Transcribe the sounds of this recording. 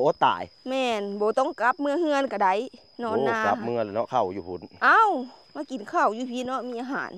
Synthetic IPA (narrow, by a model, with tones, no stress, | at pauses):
ʔoː˧˦t̪a̰ː˨˩˦jmɛː˧nbɔː˨˦t̪ɔ˧˨ŋka˧˦p̚mɯ˧əhɯ˧ə˨nka˧˩da˧˩j | nɔː˧˨nː˧˨aː˧ka˧˦p̚mɯ˧˨lːnɔ˧kʰa˧˩wjuː˧˩pʰu˨˦nʔaː˧˥˨wmaː˧˥˩ki˨˩nkʰa˧˩wjuː˧˩pʰi˧˥nɔ˧˥miː˧ʔaː˧ɦa̰ː˨˦n